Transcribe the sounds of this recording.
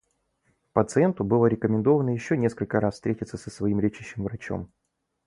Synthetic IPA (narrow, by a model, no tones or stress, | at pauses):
pət̪sɨɛnt̪ʊbɨlˠəɾʲɪkəmʲɪnd̪o̞vənəjɪɕːonʲeskəlʲkəɾasfst̪ɾʲetʲɪt̪səsəsvɐimɾʲet͡ɕɪɕːɪmvɾɐt͡ɕo̰m